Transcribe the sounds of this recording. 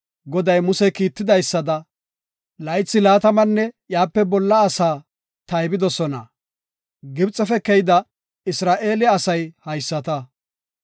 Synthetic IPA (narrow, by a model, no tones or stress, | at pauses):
ɡɔd̪ɐjmʊsɛkiːt̪ːɪd̪ɐjsːɐd̪ɐ | lɐjt͡sːɪlaːt̪ɐmɐnːɛjaːpːɛbɔlːɐːsaː | t̪ɐjbɪd̪ɔsɔnɐ̰ | ɡɪbt͡sʼːɛfɛkɛjɪd̪ɐ | ɪsɾaːʔe̞ːlɛɐsɐjhɐjsːɐt̪ɐ